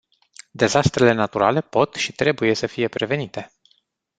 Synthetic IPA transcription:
d̪e̞zast̪ɾe̞le̞nat̪uɾa̰le̞po̞t̪ʃit̪ɾe̞buje̞səfije̞pɾe̞ve̞nit̪e̞

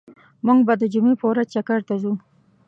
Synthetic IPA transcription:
muŋɡbad̪əd͡ʒumepəwɾazt͡ʃakaɾt̪azu

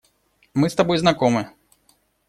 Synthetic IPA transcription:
mɨst̪ɐbɔjznakɔmɨ

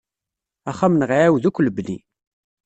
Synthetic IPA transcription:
æχamnʁʕæwðukʷːləblḭ

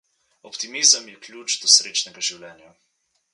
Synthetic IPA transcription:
ɔpt̪imizəmjɛklʲjut͡ʃd̪ɔsɾeːt͡ʃnɛɡaʒiwlɛːnja

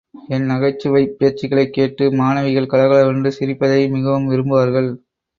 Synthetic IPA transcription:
ɛnnɐɣɐɪt͡ʃːɯʋɐɪpːɪjɐɾt͡ʃːɪɣɐɭɐɪkːeːʈːɯmaːnɐʋɪɣɐɭkɐlɐɣɐɭɐʋɐndɯsɪɾɪpːɐðɐɪmɪɣɐʋɯmʋɪɾɯmbɯʋaːɾɣɐɭ

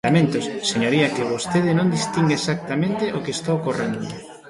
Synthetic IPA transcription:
amẽnt̪ʊsːeɲoɾiɐkɪβost̪eðɪnõnd̪ist̪iŋɡaesak̚t̪amẽnt̪ɪʔokest̪aokorend̪ʊ

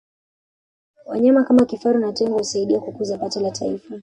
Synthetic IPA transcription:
wa̰ɲamakamakifaɾunatɛŋɡɔhusaiɗiakukuzapatɛlatʰaifa

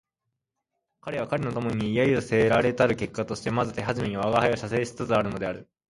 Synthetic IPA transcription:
kaɾe̞βakaɾe̞no̞t̪o̞mo̞ɲ̟iiːjaiose̞ɾaɾe̞t̪aɾɯ̟ke̞kːat̪o̞ɕi̥t̪e̞mazɨt̪e̞ɦaʑime̞ɲ̟ioaɡahajoɕase̞ːɕt͡sɨt͡sɨaɾɯ̟no̞d̪e̞aɾɯ̟

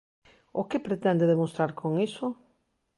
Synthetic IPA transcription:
ʊkepɾet̪ɛnd̪eðemost̪ɾaɾkʰoŋiso

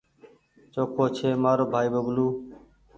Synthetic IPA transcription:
t͡ʃoːkʰoːt͡ʃʰeːmaːɾoːbʱaːiːbəɡluː

